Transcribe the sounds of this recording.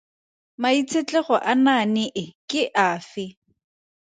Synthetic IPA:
mait͡sʰet͡ɬʼɛχɔʔananɪʔɪkʼɪʔaːfɪ

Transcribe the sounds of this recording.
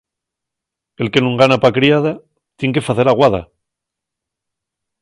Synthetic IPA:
e̞lke̞nũŋɡanapakɾiaða | t̪je̞ŋk̬e̞faθe̞ɾaɣwaða̰

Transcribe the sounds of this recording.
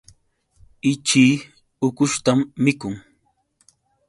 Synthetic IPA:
ɪt͡ʃiː | ʊkʊʃt̪amːɪkʊŋ

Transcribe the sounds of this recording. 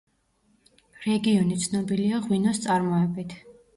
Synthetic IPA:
ɾɛɡiɔnit̪sʰnɔbiliaʁwinɔst̪sʼaɾmɔɛbit̪ʰ

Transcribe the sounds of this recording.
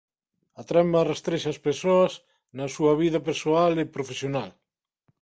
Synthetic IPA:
at̪ɾɛmarest̪ɾeʃaːspesoɐs | nɐsuɐβ̞iðɐpeɾsoalepɾofesjonal

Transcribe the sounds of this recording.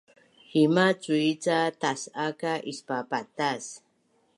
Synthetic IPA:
himat͡suit͡sat̪asakaʔispapat̪as

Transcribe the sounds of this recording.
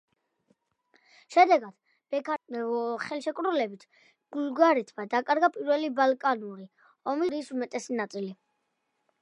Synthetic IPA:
ʃɛd̪ɛɡad̪̥ | b̥ɛk | χɛlˠʃɛkʼɾulɛbit̪ʰ | ɡ̥ulɡaɾɛt̪ʰmad̪akʼaɾɡapʼiɾwɛlibalˠkʼanuɾi | ɔmiɾisumɛt̪ʼɛsinat̪sʼili

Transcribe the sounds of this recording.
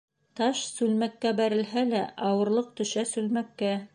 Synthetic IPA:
t̪ɑʃsʉlmækːæbæɾɘ̆lɦælæʔɑwɤ̆ɾlˠɤq̚t̪ɵ̆ʃæsʉlmækːæ

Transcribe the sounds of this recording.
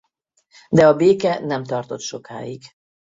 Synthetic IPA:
d̪ɛɒbeːkɛnɛmt̪ɒrt̪o̞t̪ʃo̞ka̰ːiɡ

